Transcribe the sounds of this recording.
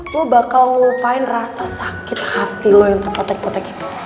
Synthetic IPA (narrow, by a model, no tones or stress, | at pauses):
lobakalpaɪnrasasakɪt̪̚hat̪ilojaŋt̪ərpot̪ɛk̚pɔt̪ɛki̥t̪u̥